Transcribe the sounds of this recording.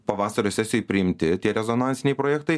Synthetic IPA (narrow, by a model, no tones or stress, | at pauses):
pɐʋɑːsɐɾʲoːsʲɛsʲɪjoɔjɪpʲɾʲɪɪmʲt̪ʲɪt̪ʲiɛɾʲɛzonɑːnt̪sʲɪnʲɛɪpɾoːjɛːkt̪ɐɪ